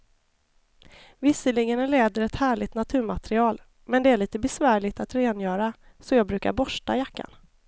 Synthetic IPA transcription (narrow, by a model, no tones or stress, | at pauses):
vɪsəlɪɡənleːd̪əɾɛt̪hæːɭɪt̪nat̪ʰʉ̟ːɾmat̪ɾɪɑːl | mɛnd̪ɛæɭiːt̪əbɛsvæːɭɪt̪at̪ɾeːnjœːɾa | sɔjɑːɡ̚bɾʉ̟ːka̰ɾbɔʂʈa̰jakːa̰n